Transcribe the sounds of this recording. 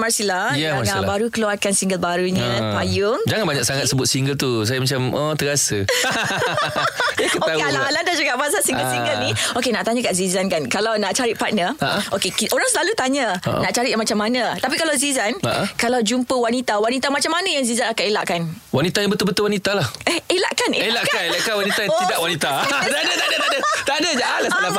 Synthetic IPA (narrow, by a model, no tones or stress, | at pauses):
marsilahjaanaʔlbaɾukəluarkansiŋɡəlbaɾuɲə̃tajʊŋd͡ʒaŋanbaɲak̚saŋat̪̚səbʊt̪̚siŋɡəlt̪us̬ajamat͡ʃamɔt̪əɡasə | akətoaealaalandad͡ʒuɡaʔmasaʔsiŋɡəsiŋɡəlniokenaʔt̪aɲãkaʔzizankankalawnaʔt͡ʃaɾiʔpat̪̚nəaʔokekiʔoɾaŋsəlalut̪aɲaʔnaʔt͡ʃaɾiʔjamat͡ʃamːanãt̪apikalawzizanaʔkalawd͡ʒumpəwanit̪awanit̪amat͡ʃamanə̃jaŋzizanakaelaʔkan | wanit̪ajãŋbət̪ʊlbət̪ʊlwanit̪alahəelaʔkanʔeelaʔkaelaʔkanwanit̪ajãt̪idaʔwanit̪at̪adat̪adat̪adət̪adəd͡ʒaʔalala